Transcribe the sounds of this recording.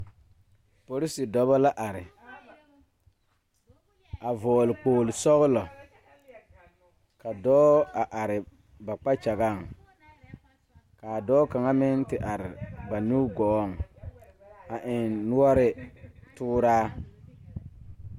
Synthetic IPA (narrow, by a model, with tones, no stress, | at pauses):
po˨ɾi˦si˨dɔ˦βa˦la˦ʔa˨ɾɪ˨ | a˨vɔː˨lɪ˨k͡poː˨lɪ˨sɔ˦ɣʊ˦lɔ˨ | ka˨dɔː˦a˨ʔa˨ɾɪ˨ | ba˨k͡pa˦t͡ʃa˨ɣa˦˨ŋ | kaː˨dɔː˦ka˨ŋa˦mɪ˦ntɪ˨ʔa˨ɾɪ˨ba˨nu˦ɡɔː˦˨ŋ˨ | a˨ʔɪ˨nːʊ˦a˦ɾɪ˦tuː˦ɾaː˦